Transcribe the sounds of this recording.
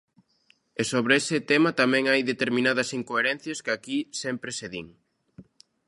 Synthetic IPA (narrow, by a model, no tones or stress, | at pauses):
esoβɾeesɪt̪emɐt̪amɛ̃ŋajðet̪eɾmĩnað̞ɐsiŋkoeɾɛn̟θjɐskɪakisɛmpɾeseðḭŋ